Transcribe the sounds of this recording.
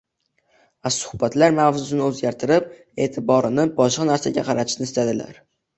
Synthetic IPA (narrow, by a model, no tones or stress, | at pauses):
vasʊ̥hbat̪laɾmahzʊzɪnɪɵzɡʲaɾt̪ʰɪɾɪp̚ | e̞ːt̪ʰɪbɒɾɪnɪbɒʃqɑnaɾsaɡʲa̰qʰɑɾat̪ʰɪʃnɪst̪ʰad̪ɪla̰ɾ